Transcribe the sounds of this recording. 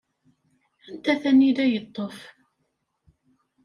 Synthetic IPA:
ænt̪æθænːid̪æjət̪ˤːof

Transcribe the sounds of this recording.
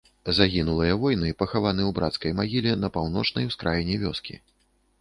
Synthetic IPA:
zaɣʲinulˠɨjɐvɔjnɨpɐxavanɨwbɾʔat̪skɐjmaɣʲilʲɛnɐpawn̪ɔt͡ʂnɐjwskɾʔajnʲɛvʲɔskʲḭ

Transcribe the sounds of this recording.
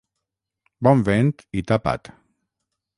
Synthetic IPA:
bɔmvɛnt̪it̪apa̰t̪

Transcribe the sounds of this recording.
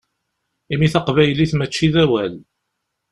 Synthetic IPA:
imiθɑqvæjliθmət͡ʃːiðæwæl

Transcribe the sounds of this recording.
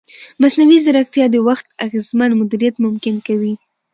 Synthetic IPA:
masnawizaɾak̚t̪jɑd̪əwaxt̪aɣezmanmʊd̪iɾijat̪mʊmkɪnkawi

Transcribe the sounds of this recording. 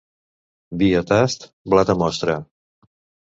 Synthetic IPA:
biət̪ast̪ | blat̪əmɔst̪ɾə

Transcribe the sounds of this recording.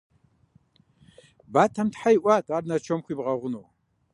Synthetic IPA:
batʰamtʰħajʔʷʼatʼarnat͡ʃʰomχʷibʁaʁʷʊnow

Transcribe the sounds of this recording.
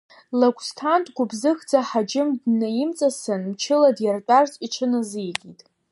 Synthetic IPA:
lakʷʼstʰantʼɡʷʊbzɨxd͡zaħad͡ʒɪmdnajɪmt͡sʼasɨnmt͡ʃʰɪladjart͡pʷʼart͡sʼiʈ͡ʂʰɨnɨzɨjɡʲitʼ

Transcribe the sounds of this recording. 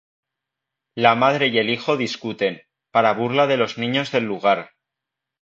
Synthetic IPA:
lamað̞ɾe̞je̞lixo̞ðiskut̪e̞n | paɾaβuɾlaðe̞lo̞znĩɲo̞zðe̞lːuɣ̞aɾ

